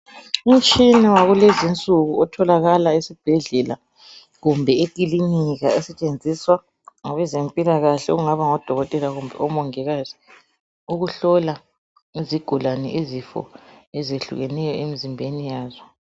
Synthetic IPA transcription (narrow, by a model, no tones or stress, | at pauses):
um̩t͡ʃʼinawaɣulezint͡sʼuɣuɔtʰɔlaɣalaisib̥ʱɛɮɛla | ɣumbʱɛekʼiliniɣa̰ɛsɛt͡ʃʼend͡zʱiswa | ŋaβɛzempʼilaɣaɬɛṵɣuŋaβaŋɔd̥ʱɔɣɔtʼɛlaɣumbʱɛ̰ɔmɔŋɛɣazi | uɣuɬɔla | iziɡ̥ʱulanɛ̰ʔizifɔ̰ɛzeɬṵɣɛnɛjɔemizimbʱenijaːzɔ